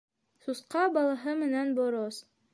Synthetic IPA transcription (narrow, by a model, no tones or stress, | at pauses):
susqɑbɑlˠɑɦɤmɘ̆nænboɾos